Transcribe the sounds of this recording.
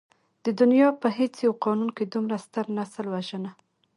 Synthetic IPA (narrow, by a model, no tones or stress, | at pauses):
d̪̥əd̪ʊnjɑpəɦet͡sjawqɑnunked̪umɾast̪əɾnasəlwaʒəna